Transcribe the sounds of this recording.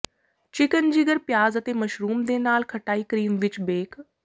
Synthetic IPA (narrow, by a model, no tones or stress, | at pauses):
t͡ʃɪkənd͡ʑiːɡəɾpjaːzɐt̪eːmɐʃɾuːmd̪eːnaːlkʰɐʈaːiːkɾiːmʋɪt͡ɕbeːk